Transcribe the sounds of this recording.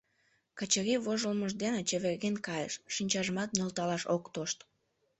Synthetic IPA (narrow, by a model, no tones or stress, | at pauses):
kət͡ɕəɾiβoʒəlməʃd̪enet͡ɕeβerɣenkɑjə̰ʃːinʲt͡ɕɑʒəmɑt̪̚nʲolt̪ɑlɑʃokt̪oʃt̪